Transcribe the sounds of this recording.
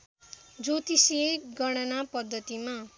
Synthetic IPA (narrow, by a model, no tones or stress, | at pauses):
d͡zot̪iseɡʌɽ̃ʌnapʌd̪ʱːʌt̪ima